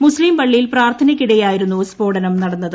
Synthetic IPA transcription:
muslimpɐɭːijilpraːrt̪ʰɐnɐkʲːiɽɐjaːjiɾunːuspo̞ːɽɐnɐmnɐɽɐnːɐðɨ

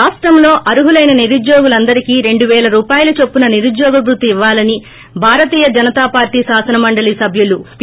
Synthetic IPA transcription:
aːʂʈɾɐmlo̞ːʔɐɾuɦulɐjnɐniɾud̪joːɡulɐnd̪ɐɾikiːɾe̞ɳɖuʋɛːlɐɾuːpaːjɐlɐt͡ʃe̞pːunɐniɾud̪jɔːɡɐbɾut̪iiʋːaːlɐni | bʱaːɾɐt̪iːjɐd͡ʒɐnɐt̪aːpaːɾʈiːsaːsɐnɐmɐɳɖɐlisɐbʱjulu

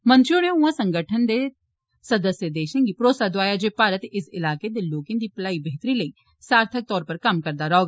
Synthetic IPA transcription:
mə̃nt̪ɾjoneũːãsə̃ŋɡəʈʰənd̪e | sɐd̪əsjəd̪eːʃə̃nɡipɾoːsad̪waːjad͡ʒeːpaːɾət̪ɪsɪlaːked̪eloːkɪ̃nd̪iplaːibeɦt̪ɾiləi | saːɾt̪ʰək̚t̪ɔːɾpəɾkɐmkɐɾd̪aɾoːɡa

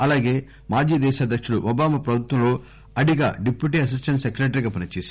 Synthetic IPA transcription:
ɐlaːɡe̞ː | maːd͡ʒiːd̪ɛːʃaːd̪ʱːɐkʂuɽuʔɔbaːmɐpɾɐbʱut̪ʋɐ̃mlo̞ː | ɐɽiɡa̰ːɖipjuʈ̬iːɐs̬isʈɐnʈsekɾeːʈ̬ɐɾiɡaːpɐnɐt͡ʃeːsi

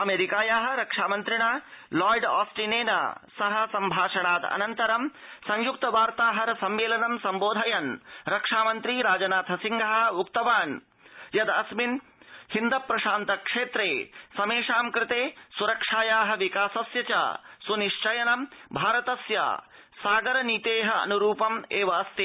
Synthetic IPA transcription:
ɐmeːɾikaːjaːɦɐ̆ɾɐkʂaːmɐnt̪ɾiɳaːlɔːjɖa̰ːsʈineːnɐ̰sɐɦɐ̆sɐmbʱaːʂɐɳaːt̪ɐ̰nɐnt̪ɐɾɐmsɐ̃ŋjuk̚t̪ɐʋaːɾt̪aːɦɐɾɐsɐmːeːlɐnɐmsɐmboːd̪ʱɐjɐnɾɐkʂaːmɐnt̪ɾiːɾaːd͡ʒɐnaːt̪ʰɐsiŋɡʱɐɦɐ̆ukt̪ɐʋaːn | jɐd̪ɐsmin | hind̪ɐpɾɐʃaːnt̪ɐkʂeːt̪ɾeːsɐmeːʂaːmkɾɪt̪eːsuɾɐkʂaːjaːɦɐ̆ʋikaːsɐsjɐt͡ʃa̰ːsuniʃt͡ʃɐjɐnɐmbʱaːɾɐt̪ɐsja̰ː | saːɡɐɾɐniːt̪eːɦɐɐ̰nuɾuːpɐmeːʋɐːst̪i

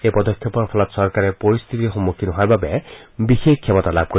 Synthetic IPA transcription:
epɔd̪ɔkʰjɔpɔɾɔpʰɔlɔt̪sɔɾkaɾepoɹist̪ʰit̪ixɔmːukʰːinɔɦaɾbabebixekkʰːjɛmɔt̪alab̚ʱko

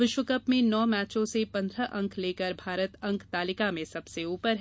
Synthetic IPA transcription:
ʋɪʃwəkəpmẽnɔːmɛːt͡ʃõsepɐ̃nd̪ɾəʔɐ̃ŋkʰleːkəɾbʱaːɾət̪ɐ̃ŋkʰt̪aːlɪkamẽsɐbseuːpəɾɦɛ

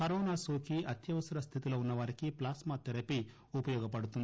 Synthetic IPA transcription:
kɐɾɔːnasoːkiʔɐt̪jɐʋɐsɐɾɐst̪ʰit̪ilounːɐʋaːɾikiplaːsmɐt̪ɛɾɐpi | upɐjɔːɡɐpɐɽut̪und̪i

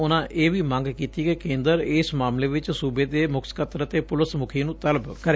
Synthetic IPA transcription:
ʊnãːʔeːʋiːmə̃ŋɡkiːt̪iːkekẽːnd̪əɾɪsmaːmleːʋɪt͡ʃsuːbeːd̪eːmʊkʰskət̪ɾət̪eːpʊləsmʊkʰiːnũːt̪ələbkəɾeː

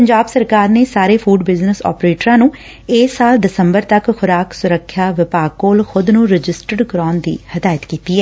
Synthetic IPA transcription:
pəɲd͡ʒaːbsəɾkaːɾneːsaːɾeːpʰuːɖbɪznəsɔ̰ːpɾeːʈɾãːnũː | eːsːaːld̪ɪsəmbəɾt̪əkxʰʊɾaːksʊɾəkʰːjaːʋɪpaːɡ̚koːlxʊd̪nũːɾɪd͡ʒɪsʈəɖɡɾaːnd̪ḭːhəd̪aːjət̪kiːt̪iːɛː

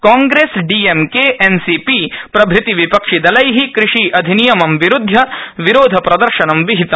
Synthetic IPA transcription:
kaːŋɡɾeːsɖiːemkeːʔensipiːpɾɐbʱɾit̪iʋipɐkʂid̪ɐlɐjɦikɾɪʂiːʔɐd̪ʱinijɐmɐmʋiɾud̪ʱːɐʋiɾoːd̪ʱɐpɾɐd̪ɐɾʃɐnɐmʋiɦit̪ɐ

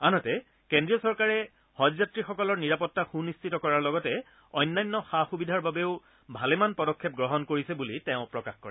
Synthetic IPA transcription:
anɔtɛ | kendɹijɔsɔɹkaɹɛ | hɔzatɹixɔkɔlɔɹniɹapɔtːaxunistitɔkɔɹaɹlɔɡɔtɛ | ɔjnːajnːɔxaxubidʱaɹbabeʊ | bʱalɛmanpɔdɔkʰːɛp̚ɡɹɔɦɔnkoɹisɛbuliteʊ̃pɹɔkaxkɔɹɛ

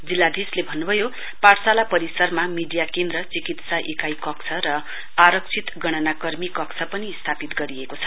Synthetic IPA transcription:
d͡zilːad̪islebʱʌnːubʱʌjo | parsalapʌɾisʌrmamiɖijakend̪rʌt͡sikit̪saʔikajkʌkt͡sʰʌɾʌ | aɾʌkt͡sʰit̪ɡʌɽ̃ʌnakʌrmikʌksʰʌpʌnist̪ʰapit̪ɡʌɾiekot͡sʰʌ̥

